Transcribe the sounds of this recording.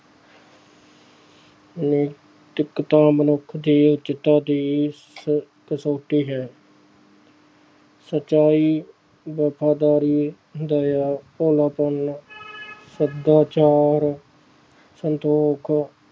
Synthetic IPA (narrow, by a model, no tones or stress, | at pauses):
ni | t̪ɪkːt̪ãːmənʊkʰd̪iːʊt͡ʃɪt̪aːd̪iː | kəsoːʈiːɦɛː | sət͡ʃaːiː | bəːpʰaːd̪aːɾiː | d̪əjaːpoːlaːpəɳ | səd̪aːt͡ʃaːɾ | sənt̪oːkʰ